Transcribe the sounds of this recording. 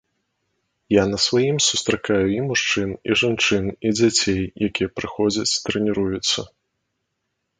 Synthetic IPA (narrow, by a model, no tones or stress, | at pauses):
janɐsvajimsust̪ɾakajuimuʂt͡ʂɨniʐant͡ʂɨnid͡zʲat͡sʲejjakʲijɛpɾɨxɔd͡zʲɐt͡sʲt̪ɾɛnʲiɾujut̪sːɐ